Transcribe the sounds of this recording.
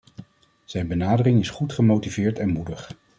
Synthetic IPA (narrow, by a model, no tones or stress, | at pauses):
z̥ɛjnbənaːdərɪŋɪsχutχəmowtivɪːɹtɛnmudəχ